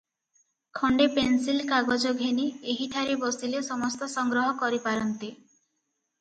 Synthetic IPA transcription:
kʰɔɳɖepensilkaɡod͡ʒɔɡʱenieɦiʈʰaɾebɔsilesɔmɔst̪ɔsɔŋɡɾɔɦɔkɔɾipaɾɔnt̪i

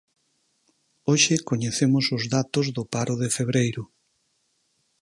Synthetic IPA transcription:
oʃɪkoɲeθemʊsʊzðat̪ʊzðʊpaɾʊðefeβ̞ɾejɾʊ

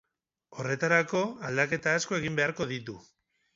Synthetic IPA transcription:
o̞re̞t̪aɾako̞ald̪ake̞t̪aːsko̞e̞ɣimbe̞aɾko̞ðit̪u

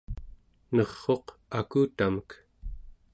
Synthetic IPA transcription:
nʌʁːo̞qakuːt̪amək

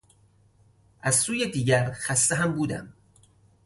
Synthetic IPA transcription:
ʔæz̥suːjed̪iːɟæɾxæst̪eɦæmbuːd̪æ̰m

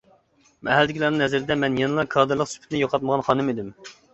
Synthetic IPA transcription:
mʔɛɦæld̪ɪkʰʲlˠɑɾnɨŋhɛzɪɾɪd̪ɛmɛnjenɨlˠɑkʰɑːd̪ɨɾlˠəqsy̥pʰt̪ɪnɪjoqʰɑt̪̚məʁɑnχɑːnɨmed̪ym

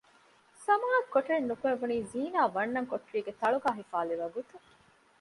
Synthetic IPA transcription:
sɐmaːɐkkːoʈɾenːukueʋuniːziːnaːʋɐnːɐŋkoʈɾiːɡet̪ɐɭuɡaːɦifaːliʋɐɡut̪u

